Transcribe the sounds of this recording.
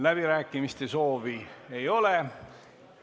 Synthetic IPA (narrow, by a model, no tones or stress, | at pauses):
læb̥iɾæːkːˑimist̪e̞so̞ːviejo̞le